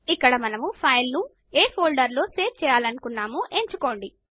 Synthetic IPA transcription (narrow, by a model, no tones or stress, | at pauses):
ikːɐɽɐmɐnɐmupʰɐjlnu | eːpʰoːlɖɐɾlo̞ːseːʈ̚t͡ʃɛːjaːlɐnukunːaːmuʔe̞ɲt͡ʃuko̞ːɳɖi